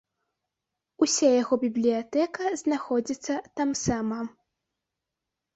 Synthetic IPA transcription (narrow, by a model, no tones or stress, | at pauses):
usʲajaɣɔbʲiblʲijat̪ɛkɐznaxɔd͡zʲit̪sːɐt̪amsamɐ